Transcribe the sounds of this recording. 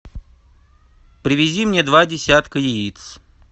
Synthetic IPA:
pɾʲɪvʲɪzʲimnʲed̪vadʲɪsʲat̪kəjɪit̪s

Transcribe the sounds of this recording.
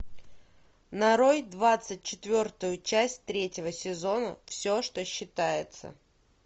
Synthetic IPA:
nɐɾo̞jd̪vat̪sɨt̚ʲt͡ɕɪt̪vʲo̞rt̪ʊjʊt͡ɕæsʲtʲt̪ɾʲetʲɪvəsʲɪzo̞nə̰fsʲo̞ʂt̪o̞ɕːɪt̪ajɪt̪sə̰

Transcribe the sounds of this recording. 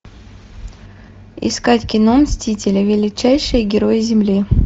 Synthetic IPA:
ɪ̰skatʲkʲɪnomsʲtʲitʲɪlʲɪvʲɪlʲɪt͡ɕæjʂɨjəɡʲɪɾo̞jɪzʲɪmlʲi

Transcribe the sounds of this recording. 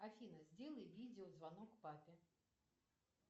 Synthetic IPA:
afʲinəzʲdʲelˠəjvʲid͡zʲɪuzvanɔkpapʲɪ

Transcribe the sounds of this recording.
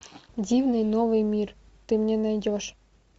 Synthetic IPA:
dʲivnɨjnovɨjmʲir | t̪ɨmnʲenɑjdʲoʃ

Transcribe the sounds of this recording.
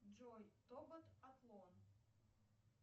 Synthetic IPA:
d͡ʒojt̪obət̪at̪lˠon

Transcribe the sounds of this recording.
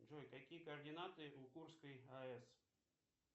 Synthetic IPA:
ʐojkakʲijəkɐɐrdʲɪnat̪ɨukurskəjɐɛs

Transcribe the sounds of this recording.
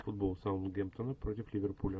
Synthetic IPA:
fud̪̚bolˠsawnɡʲempt̪onəpɾot̪ʲɪflʲɪvʲerpʰulʲɐ

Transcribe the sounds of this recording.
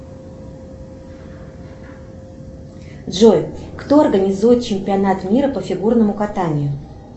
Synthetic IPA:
dʐojkt̪oɐrɡənʲɪzujɪt̪̚t͡ɕɪmʲpʲɪɐnat̪mʲiɾəpəfʲɪɡurnəmʊkat̪anʲɪjʊ

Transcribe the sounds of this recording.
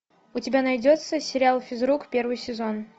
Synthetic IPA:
ʊtʲɪbʲanɐjdʲot̪səsʲɪɾʲɪalˠfʲɪzɾukpʲe̞rvɨjsʲɪzon

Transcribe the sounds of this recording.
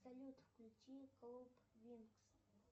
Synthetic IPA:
sɐlʲut̪fklʲut͡ʃʲiklˠupvʲinks

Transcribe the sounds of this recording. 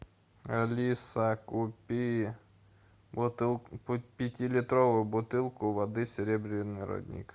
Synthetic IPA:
ɐlʲisɐkʊpʲi | pʲɪtʲilʲɪt̪ɾoʋʊjʊbʊt̪ɪlˠkʊʋɐd̪ɨsʲeɾʲɛbɾʲɪnːɪɾɔ̰d̪ʲnʲḭk

